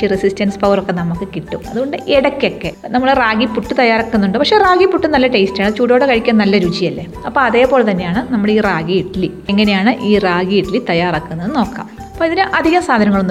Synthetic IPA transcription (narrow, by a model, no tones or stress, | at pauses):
irisistɐnsɨ̥pɐʋɐrokːe̞nɐmːukːɨkiʈːumɐðuo̞ɳɖɨʔeɽɐkʲːo̞kːe̞nɐmːɐɭraːɡipːuʈːɨt̪ɐjːaːrakːunːuɳɖɨpɐkʂe̞raːɡipːuʈːɨnɐlːɐʈejstaːɳɨt͡ɕuːʈoːɽekɐɻikʲːɐaːnnɐlːɐɾuːt͡ɕːijɐlːe | ɐpːoːɐðeːpo̞ːlet̪ɐnːe̞jaːɳɨnɐmːɐɭeiːraːɡiiʈːili | eŋːɐne̞jaːɳɨʔiːraːɡieʈːilit̪ɐjaːrakːunːɐðɨno̞ːkːa̰ːm | ɐɐpːoːiðinɨʔɐd̪ʱiɣɐmsaːd̪ʱɐnɐŋːɐɭonː